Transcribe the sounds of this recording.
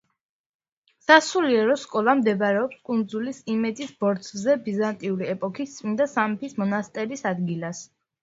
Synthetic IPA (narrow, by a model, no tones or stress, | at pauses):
sasuliɛɾɔskʼɔlˠamd̪ɛbɾɛɔpskʼund̪zulisimɛd̪zisb̥ɔɾt̪sʰzɛbizant̪ʼiuɾiɛpʼɔkʰist̪sʼmind̪asamɛpʰismɔnast̪ʼɛɾisad̪ɡilas